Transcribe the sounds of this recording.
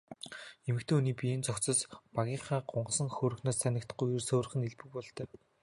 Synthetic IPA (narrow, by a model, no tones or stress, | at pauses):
emɘ̆kt̪ʰeːuniːpieːnt͡sɔkt͡sə̆spaɣʲiːɴχaːɢʊɴɢ̆sə̆ŋxoːɾɵ̆xnoːssanʲɪ̆kt̪̆ɡujjursŏːr̆χɘ̆neɮpɘ̆k̚pɔɮt̪œ̆ː